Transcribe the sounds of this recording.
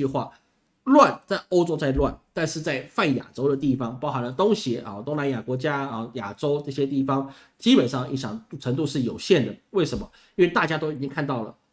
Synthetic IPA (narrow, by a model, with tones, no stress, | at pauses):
y˥˧xwa̰˥˩ | lwa˥˩nt͡sa˥˩ɪo˥ʊʈ͡ʂo˥ʊt͡sa˥˧ɪlwa˥˩nt̪a˥˧nʂɻ̩˥˧t͡sa˥˧ɪfa˥˩nja̰˨˩ʈ͡ʂo˥ʊd̪ə˨t̪i˥˩fɑ˧˥ŋpɑ˥ʊxa˧˥nlə˧t̪o˥ŋɕjɛ˧˥ʔə˥˩t̪oʊ˥ŋna˧˥nja˨˩kwɔ˧˥t͡ɕja˥ə˥˩ja˨˩ʈ͡ʂo˥ʊʈ͡ʂɤ˥˩ɕjɛ˥t̪i˥˩fɑ˥ŋ | t͡ɕi˥pə˨˩nʂɑ˥˩ŋi˧˥˩ɕjɑ˨˩ŋ˥˩ʈ͡ʂʰə˧˥ŋt̪u˥˧ʂɻ̩˥˩jo˨˩ʊɕjɛ˥˩nd̪ə˩we˥˩ɪʂə˧˥nmə˧ | i˥nwe˥˧ɪt̪a˥˩t͡ɕja˥t̪o˥ʊi˨˩t͡ɕi˥ŋkʰa˥˧nt̪ɑ˥˩ʊlə̰˩